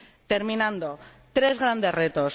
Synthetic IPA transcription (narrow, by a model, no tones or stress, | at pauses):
t̪e̞ɾmĩnãnd̪o̞t̪ɾe̞zɣɾand̪e̞sre̞t̪o̞s